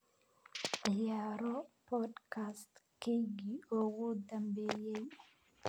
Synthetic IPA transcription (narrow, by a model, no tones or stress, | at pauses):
jaɾɔpɔdkastkeɡiowud̪ambejeɲ